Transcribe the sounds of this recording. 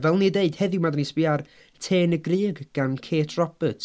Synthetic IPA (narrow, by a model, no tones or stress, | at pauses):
vɛlˠnideɨd̥hɛðɪmadanispɪar | tʰeːnəɡriːɡɡ̥ankʰeːtʰrɔb̥ətʰ